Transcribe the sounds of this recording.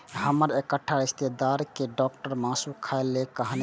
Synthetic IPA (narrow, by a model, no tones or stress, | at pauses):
həməɾekəʈʰːaist̪ed̪aɾkeɖɔk̚ʈəɾmasukʰaelːekəɦən